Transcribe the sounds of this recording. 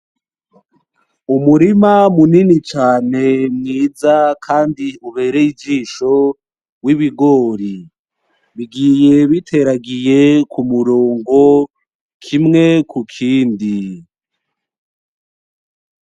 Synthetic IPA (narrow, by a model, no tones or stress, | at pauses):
umuɾimamuninit͡ʃaːne̞mŋiːd͡zakʰaːndiuβe̞ːɾeid͡ʒiːʃo̞ | wiβiɡo̞ːɾi | βiɡije̞βitʰe̞ɾaɡije̞kumuɾoːŋɡo̞ | kʰimŋe̞kukʰiːndi